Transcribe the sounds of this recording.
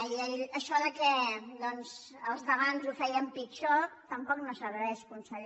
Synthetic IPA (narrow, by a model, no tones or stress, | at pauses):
iəʎəʃɔðəkɛd̪ɔnz | əlˠzðəβanzufɛjəmpikʃɔkt̪əmpɔknosəβɾɛʃkunsəʎ